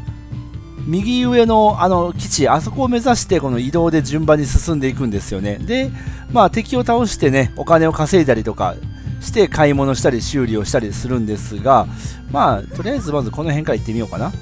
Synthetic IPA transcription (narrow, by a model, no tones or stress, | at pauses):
mʲiɡʲiɯ̟e̞no̞ano̞kʲi̥t͡ɕiaso̞ko̞ːme̞zaɕi̥t̪e̞ko̞no̞id̪o̞ːd̪e̞d͡ʑɨ̃mbãɲ̟ːisɨ̥sɨ̃nd̪e̞ikɯ̟̃nd̪e̞sɨjo̞ne̞d̪e̞maːt̪e̞kʲio̞t̪ao̞ɕi̥t̪e̞ne̞o̞kane̞o̞kase̞it̪aɾʲit̪o̞ka̰ɕi̥t̪e̞kaimo̞no̞ɕi̥t̪aɾʲiɕɨːɾʲio̞ɕi̥t̪aɾʲisɨɾɯ̟̃nd̪e̞sɨɡa | maːt̪o̞ɾʲiaizɨmazɨko̞no̞ɦẽ̞ŋkaɾait̪ːemijo̞ːkana